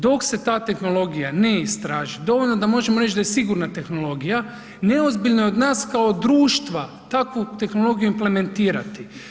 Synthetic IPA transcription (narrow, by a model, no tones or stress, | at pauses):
d̪o̞kse̞t̪aːt̪e̞xno̞lˠo̞ɡijaneist̪ɾaːʒid̪o̞ʋo̞lno̞d̪amo̞ʒemo̞ɾet͡ʃd̪ajesiɡuɾnat̪e̞xno̞lo̞ɡija | ne̞ozbiʎnojeo̞d̪naːskao̞d̪ɾuːʃt̪ʋa | t̪akʋut̪e̞xno̞lˠo̞ɡijuimple̞me̞nt̪iːɾa̰t̪i